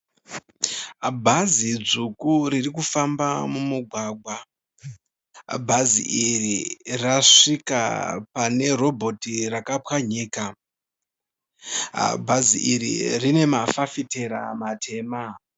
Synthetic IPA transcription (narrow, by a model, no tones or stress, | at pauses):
bʱazid͡zukuɾirikufamba̰mumuɡʱwaːɡʱwa | bʱazḭʔiriraʂika̰pane̞ro̞bʱo̞tirakapwaɲiːka | bʱazḭʔiɾḭrine̞mafafite̞ɾa̰matʰe̞ːma